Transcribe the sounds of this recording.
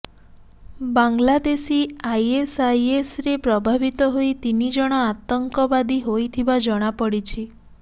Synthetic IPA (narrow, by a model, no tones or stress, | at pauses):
baŋɡlad̪esiajesajesɾepɾɔbʱabit̪ɔɦoit̪inid͡ʒɔɽ̃ɔat̪ɔŋkɔbad̪iɦojt̪ʰibad͡ʒɔɽ̃apɔɽit͡ʃʰi